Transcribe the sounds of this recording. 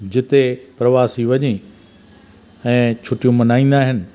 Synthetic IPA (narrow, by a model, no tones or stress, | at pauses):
d͡ʑɪt̪epɾɐʋaːsiʋɐɲi | ɛ̃ːt͡ɕʰʊʈijũmɐnaːĩːn̆d̪aːɦɪnɪ̆